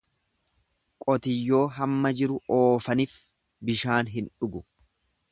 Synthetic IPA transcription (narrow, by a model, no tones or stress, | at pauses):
kʼɔt̪ɪjːo̞ːɦɐmːɐd͡ʒɪɾʊoːfɐnɪf | bɪʃaːnɦɪnᶑʊɡʊ